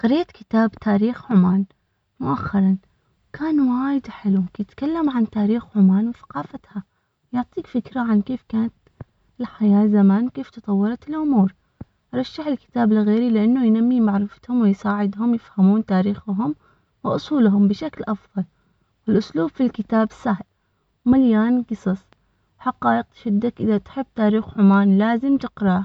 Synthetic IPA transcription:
qɑɾɪjːat̪kɪ̥t̪aːbt̪ʰaːɾiːxʕʊmaːn | mʊʔaxːɑɾˤɑn | wkʰaːnwaːjɪd̪ħɪlukjɪt̪kalːamʕant̪aːɾiːxʕʊmaːnwɪθḁqɑːfat̪ha | jʊʕt̪ˤiːkfɪkɾaʕankeːfkaːnat̪ | ɪlħajaːzamaːnwkeːft̪ɨt̪ˤɑwːɑɾˤɑt̪ɪlʔʊmuːɾ | ʔɑɾˤɑʃːaħɪlkɪ̥t̪aːbɪlɣeːɾilɪʔanːʊjnamːimaʕɾɪfḁt̪hʊmwɪjsaːʕɪd̪hʊmjɪfhamuːnt̪aːɾiːxɦʊm | wɪʔʊsˤuːlɦʊmbɪʃaklʔɑfðˤɑl | wɪlʔʊsluːbfilkɪt̪aːbsahl | maljaːnqɨsˤɨsˤ | ħɑqɑːʔɪq̚t̪ʃɪd̪ːakʔɪðat̪ħɪbːt̪aːɾiːxʕʊmaːnlaːzɪmt̪ɪqɾɑ

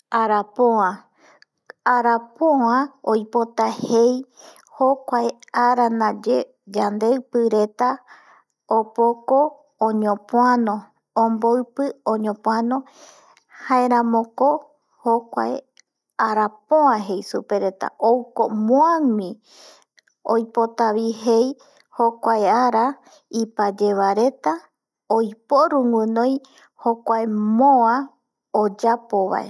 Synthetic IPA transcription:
aɾapõã | aɾapoãojpo̞t̪ahej | hokʷaeaɾanãd͡ʒe | d͡ʒand̪eɨpɨɾe̞t̪a | opokõː | ɲõpoanõ | õmboɨpɨõɲõpõanõ | haeɾãmõko | hokʷa̰e | aɾapoãɦe̞jsupe̞ɾe̞t̪a̰ʔowkomoãŋĩ | ojpo̞t̪aβiɦej | hokʷaeaɾa | ipad͡ʒe̞βaɾe̞t̪a | ojpo̞ɾũŋʷɨ̃nõj | hokʷaemoã | od͡ʒapo̞βa̰ḛ

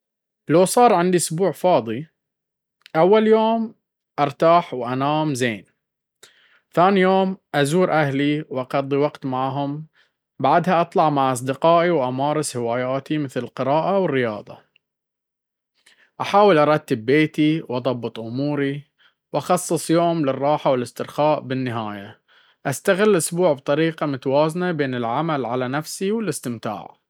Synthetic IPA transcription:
lawsˤɑːɾˤʕɪnd̪iʔʊsbuːʕfɑːðˤi | ʔawːaljoːm | ʔɑɾˤt̪aːħwʔanaːmzeːn | θaːnijoːmʔazuːɾʔahliwʔɑqɑd̪ˤːiwɑɡt̪maʕɦʊm | baʕd̪haʔɑt̪ˤlɑʕmaʕʔɑs̬ˤd̪ɪqɑːʔiwʔamɑːɾˤɨshɪwaːjaːt̪imɪθlɪlqɪɾɑːʔawɪrːɪjɑ̰ːðˤɑ̰ | ʔaħaːwɪlʔɑɾˤɑt̪ːɪbːeːt̪iwʔɑðˤɑbːɨt̪ˤʔʊmuːɾi | wʔɑxɑsˤːɨsˤjoːmlɪrˤːɑːħawɪlɪst̪ɪɾxaːʔbɪnːɪɦaːja | ʔast̪aɣɪlːʔʊsbuːʕbt̪ˤɑɾiːqɑmʊt̪awaːznabeːnɪlʕamalʕalanafsiwɪlɪst̪ɪmt̪a̰ːʕ

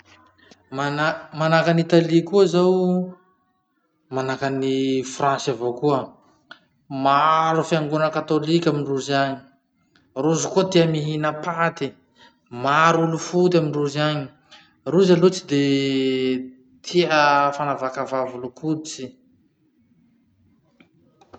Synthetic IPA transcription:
manamanakanit̪alikuazaw | manakanifransavokuə | maɾufiaŋɡunəkat̪olikʲamiɳɖ͡ʐuzaɲi̥ | ruzukut̪iəmiɦinəpat̪i | maɾulufut̪amiɳɖ͡ʐuzaɲi | ruzalot͡sid̪e | t̪ʰiəfanavakavavulukʰut͡si

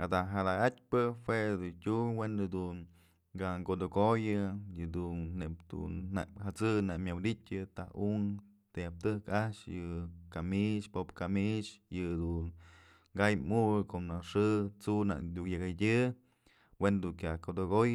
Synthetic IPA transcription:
ad̪aɦad̪aat̚ʲpɨhwed̪utʲuwend̪ɨd̪un | ɡaŋɡod̪oɡojɨjɨd̪unːep̚d̪̥ṵnaʔhat͡sɨnaʔmʲjawd̪itʲɨt̪ahuŋ | t̪ejap̚t̪ɨhkaʔʂjɨkamiʃpopkamit͡ʃjɨd̪un | ɡajmuɨkoʔnaʂɨt͡suna̰ʔd̪ʲujaɡadʲɨ | wend̪uŋkʲjakod̪oɡoj

